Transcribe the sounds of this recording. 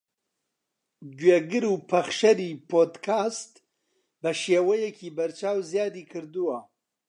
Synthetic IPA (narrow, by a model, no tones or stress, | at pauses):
ɡeːɡɨɾupʰɐχʃɐɾipʰoːd̪kʰaːst̪ | bɐʃeːwɐjɛcʰiːbɐɾt͡ʃʰaːwzjaːd̪iːkʰɨɾd̪uwɐ